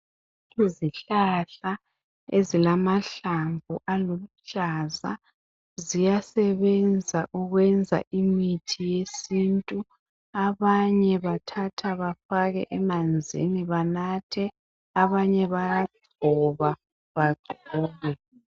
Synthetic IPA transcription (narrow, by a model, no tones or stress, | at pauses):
iziɬaɬa | ezilamaɬambʱuʔalolut͡ʃʼaza | zijasɛβɛnd͡zʱaʔuɣwɛnd͡zʱa̰ʔimitʰijesintʼu | aβaɲɛβatʰatʰaβafaɣɛ̰ʔɛmand͡zʱḭniβanatʰɛ | aβaɲɛβajadʱɔβa | βaɡ͡ǀʱɔːlwɛ